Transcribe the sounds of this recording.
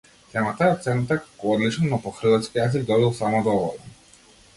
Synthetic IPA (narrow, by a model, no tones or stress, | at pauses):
t̪ɛmat̪aɛɔt̪sɛnut̪akakɔɔd̪lit͡ʃnɔnɔpɔxr̩vat̪skijazilʲd̪ɔbilˠsamɔd̪ɔvɔla